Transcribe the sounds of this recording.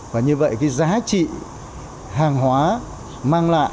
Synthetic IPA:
vaː˨˩ɲɨ˧və̰˧˨jkaː˨˦jzaː˨˦t͡ɕḭ˧˨ | haː˨˩ŋɦwaː˨˦ | maː˧ŋla̰ː˧˨

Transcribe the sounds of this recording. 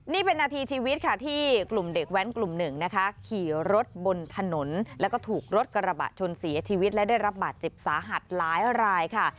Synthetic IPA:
niː˥˩pe˧nːaː˧t̪ʰiː˧t͡ɕʰiː˧wi˦˥t̪̚kʰa˥˩t̪ʰiː˥˩klu˨˩mdeː˨˩k̚wɛ˦˥nklu˨˩mnɯ˨˩ŋna˦˥kʰa˦˥kʰiː˨˩ɾo˦˥t̪̚bo˧nt̪ʰa˧no˩˦nlɛ˦˥wkɔː˥˩t̪ʰuː˨˩k̚ɾo˦˥t̪̚ka˧ɾa˧ba̰ː˨˩t̪̚t͡ɕʰo˧nsi˨˩˦ɐt͡ɕʰiː˧wi˦˥t̪̚lɛ˦˥daː˥˩jɾa˦˥p̚baː˨˩t̪̚t͡ɕe˨˩p̚saː˨˩˦ɦa˨˩t̪̚laː˦˥jɾaː˧jkʰa˥˩

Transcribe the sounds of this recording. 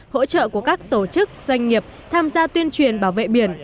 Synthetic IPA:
ho̰˧˥t͡ɕə̰ː˧˨ku˧˩əkaː˦˥k̚t̪o˧˩t͡ɕɨ˦˥k̚z̥wa˧jŋ̟ŋi˨˩əp̚ | t̪ʰaː˧mzaː˧t̪wi˧ənt͡ɕwi˨˩ənɓaː˧˩wvḛ˧˨ɓi˧˩ən

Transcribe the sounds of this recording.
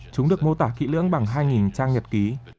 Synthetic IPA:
t͡ɕʊ˨˦ŋ͡mɗɨ˨˩ək̚mo˧t̪aː˧˩kḭ˧˥lɨ̰˧˥əŋɓa˨˩ŋɦaː˧jŋi˨˩nt͡ɕaː˧ŋɲə˨˩t̚ki˨˦

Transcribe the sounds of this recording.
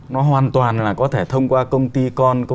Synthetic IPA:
nɔ˨˦ɦwaː˨˩nt̪waː˨˩nlaː˨˩kɔ˨˦t̪ʰe˧˩t̪ʰə˧wŋ͡mkwaː˧kə˧wŋ͡mt̪i˧kɔ˧nk

